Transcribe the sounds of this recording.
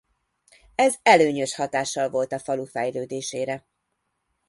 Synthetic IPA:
ɛzɛløːɲøʃhɒt̪aːʃːɒlvo̞lt̪ɒfɒlufɛjløːd̪eːʃeːɾɛ

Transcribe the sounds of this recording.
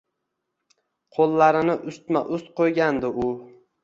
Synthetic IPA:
qʰolˠːaɾɪnɪʔʊst̪ma̰ʔʊst̪̚qʰojɡʲand̪ɪʊ

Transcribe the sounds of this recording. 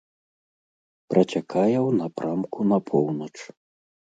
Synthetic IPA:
pɾʔɐt͡sʲakʰajɛwnapɾamkunɐpʰɔwnɐt͡ʂ

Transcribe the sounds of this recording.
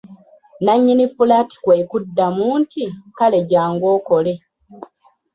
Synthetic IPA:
naɲːinifulati̥kweːkudːamuːntʰikale̞ɟaːŋɡo̞ːkole̞

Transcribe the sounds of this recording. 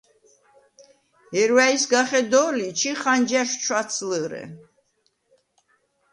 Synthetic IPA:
ɛɾwaisɡaχɛd̪ɔlit͡ʃʰiχand͡ʒaʃt͡ʃʰwat̪sʰləɾɛ̰

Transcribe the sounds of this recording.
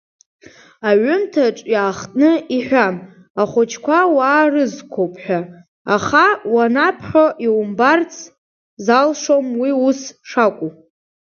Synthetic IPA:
aɥʊmtʰaʈ͡ʂʼjaːχtʼnɨiħᶣʷam | aχʊt͡ʃʰkʷʰawaːrɨzkʷʰowpʰʼħʷᶣaː | χawanapʰħoʔiwumbart͡sʰ | zalʂomwiusʂakʷʼu

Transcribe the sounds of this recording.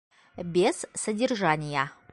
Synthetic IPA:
bʲez̥sədʲerʐanʲɪjə

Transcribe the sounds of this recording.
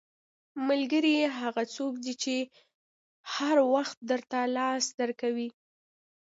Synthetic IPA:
malɡəɾiɦaɣat͡sokd̪it͡ʃe | haɾwaxt̪̚d̪əɾt̪alɑsd̪aɾkawi

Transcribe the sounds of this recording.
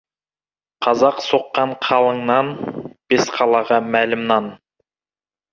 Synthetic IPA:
qʰɑzɑqsoqːɑɴqʰɑlˠəɴnɑnb̥esqʰɑlˠɑʁɑmælɪmnɑn

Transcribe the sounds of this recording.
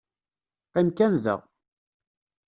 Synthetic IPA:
qːimkænðə̰ʁ

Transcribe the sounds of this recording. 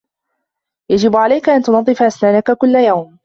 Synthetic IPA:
jad͡ʒɪbʕalajkaʔant̪ʊnɑd̪ˤːɨfaʔasnaːnakakʊlːajawm

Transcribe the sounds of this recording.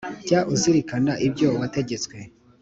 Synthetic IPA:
ɟaʔuziɾikanaʔibɟowate̞ɟe̞t͡swe̞

